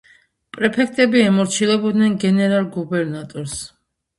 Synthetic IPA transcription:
pʼɾɛpʰɛkʰt̪ʼɛbiɛmɔɾt͡ʃʰilɛbɔd̪nɛnɡɛnɛɾalˠɡubɛɾnat̪ʼɔɾs

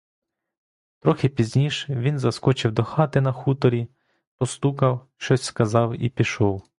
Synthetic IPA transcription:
t̪ɾɔxɪpʲizʲnʲiʃʋʲinzɐskɔt͡ʃɪwd̪ɔxɑt̪ɪnɐxut̪ɔɾʲi | pɔst̪ukɐwʃt͡ʃɔsʲskɐzɑwḭpʲiʃɔw

